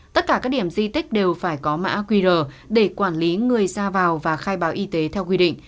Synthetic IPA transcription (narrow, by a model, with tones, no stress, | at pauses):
t̪ə˦˥t̚kaː˧˩kaː˦˥k̚ɗi˧˩əmzḭ˧t̪ï˦˥k̟̚ɗe˨˩wfaː˧˩jkɔ˨˦ma̰ː˧˥kwi˧zəː˨˩ | ɗe˧˩kwaː˧˩nli˨˦ŋɨ˨˩əjzaː˧vaː˨˩wvaː˨˩xaː˧jɓaː˨˦wʔi˧t̪e˨˦t̪ʰɛ˧wkwi˧ɗḭ˧˨ŋ̟